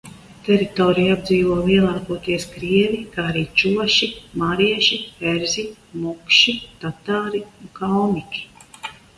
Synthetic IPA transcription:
t̪ɛɾit̪ɔːɾijabd̪ziːvuɔːviɛlˠaːkuɔt̪iɛskɾiɛvikaːaɾiːt͡ʃuɔʃimaːɾiɛʃipɛɾzʲimukʃit̪at̪aːɾiuŋkawmikʲi̥

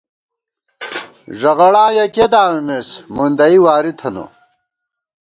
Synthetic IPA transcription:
ʐɐɣɐɭãːjɐked̪aːwemesmund̪ɐiwaːɾit̪ʰɐno̰

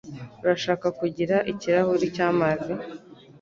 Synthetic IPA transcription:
uɾaʃaːkakuɟiɾaʔiciɾahuɾicaːmazi

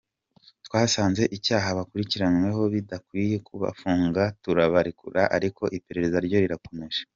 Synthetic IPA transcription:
twaːsaːnze̞ʔicaːɦaβakuɾiciɾanwe̞ɦo̞βidakwiːje̞kuβa̰fuːŋɡatuɾaβaɾikṵɾaʔaɾiko̞ʔipe̞ɾe̞ɾe̞zaɾɟo̞ɾiɾako̞me̞ʒ̥ḁ

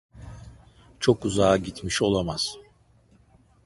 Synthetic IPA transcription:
t͡ʃʰokuzaːɟit̪miʃo̞lˠamaz̥

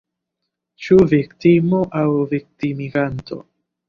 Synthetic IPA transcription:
t͡ʃuvikt̪imo̞ʔawvik̚timiɡant̪o̞̰

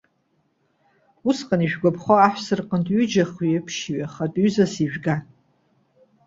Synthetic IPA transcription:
usqʼaniʒᶣɡʷapʰχʷaaħʷsɨrqʼəntʼɥyd͡ʒaχiepʰʃiɥaχatʼɥzasiʒᶣɡan

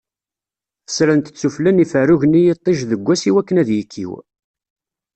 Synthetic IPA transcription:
θə̥sɾənt̪ə̥t͡sːuflænifərʊʝənijet̪ˤːeʒðəɡʷːæsiwækːənæðjəkʰːḭw

